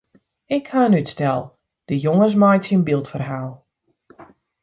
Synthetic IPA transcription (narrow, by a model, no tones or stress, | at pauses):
ɪkhaənytstɛlˠ | d̥əjoŋəs̬majtsinbilˠtfərɦaːlˠ